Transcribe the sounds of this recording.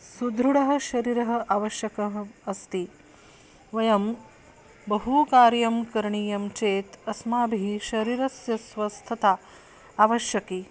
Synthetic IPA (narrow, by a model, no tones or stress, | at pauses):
sud̪ɾuɽɐɦɐ̆ʃɐɾiːɾɐɦɐ̆ʔaʋɐʃjɐkɐɦɐst̪i | ʋɐjɐm | bɐɦukaːɾjɐmkɐɾɳiːjɐmt͡ʃeːt̪ɐsmaːbʱiʃɐɾiːɾɐsjɐsʋɐst̪ʰɐt̪aː | ʋɐʃjɐkiː